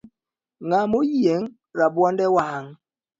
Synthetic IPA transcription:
ŋamojieŋ | ɾabwɔndɛwaaŋ

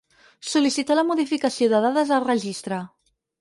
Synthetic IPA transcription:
sulisit̪aləmuðifikəsioðəðaðəzərəʒist̪ɾə

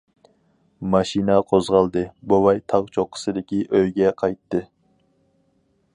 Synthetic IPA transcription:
mɑʃinɑqʰozʁɑlˠd̪ɨbowɑjt̪ʰɑʁt͡ʃʰoqʰːə̥sɨd̪ɪkʲiʔøjɡʲɛqʰɑjt̪ːɨ

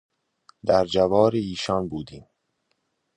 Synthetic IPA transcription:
d̪æɾd͡ʒævɒːɾeiːʃɒːnbuːd̪iːm

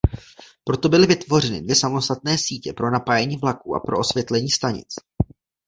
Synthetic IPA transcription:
pɾo̞t̪o̞bɪlɪvɪt̪vo̞r̝ɛnɪ̰dvjɛsamo̞st̪at̪̚nɛːsiːcɛpɾo̞napajɛɲiːvlakuːʔa̰pɾo̞̰o̞svjɛt̪lɛɲiːst̪aɲɪ̰t͡s

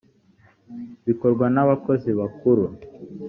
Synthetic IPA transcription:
βikoɾɡwanaβakoziβakuɾu

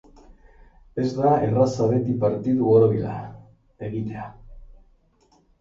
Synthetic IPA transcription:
e̞zd̪aḛrasaβet̪ipaɾt̪iðuoɾoβila̰ | eɣit̪ea

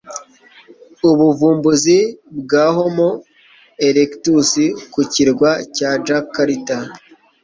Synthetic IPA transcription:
uβuvuːmbuzibɡaːɦomo | eɾektusikuciɾɡwacad͡ʒakːaɾita

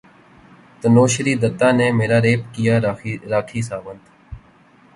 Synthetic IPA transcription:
t̪ənoːʃəɾiːd̪ət̪ːaːneːmeːɾaːɾeːp̚kijaːɾaːkʰiːsaːʋənd̪

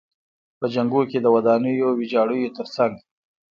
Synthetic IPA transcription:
pəd͡ʒaŋɡuked̪əwad̪ɑnəjowɪd͡ʒɑɽəjot̪əɾsaŋɡ

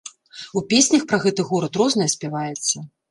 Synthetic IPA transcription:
upʲesʲnʲɐxpɾɐɣɛt̪ɨɣɔɾɐt̪ɾɔznɐjɐsʲpʲɛvajɛt̪sːɐ

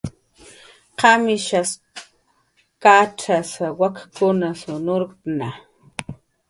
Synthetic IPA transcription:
qamɪʃas | kat͡ʃasawakakʊnasʊnoɾna

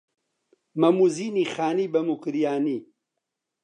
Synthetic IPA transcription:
mɐmuziːniːxaːniːbɐmukɨɾjaːniː

